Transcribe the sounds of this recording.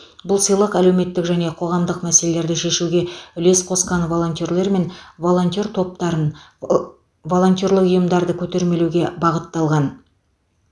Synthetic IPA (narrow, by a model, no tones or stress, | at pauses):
bʊlˠsəjlˠəqælewme̞t̪ːɪkʒæne̞qʰo̞ʁɑmd̪əqmæse̞le̞le̞ɾd̪ɪʃe̞ʃuɡʲe̞ʏle̞sqʰo̞sqɑnvo̞lˠo̞nt̪e̞ɾle̞ɾme̞nvolˠo̞nt̪ʲe̞ɾt̪ʰo̞p̚t̪ɑɾən | vo̞lˠo̞nt̪ʲjo̞ɾlˠəqʊjəmd̪ɑɾd̪əkʲʰɵt̪e̞ɾme̞luɡʲe̞bɑʁət̪ːɑlˠʁɑn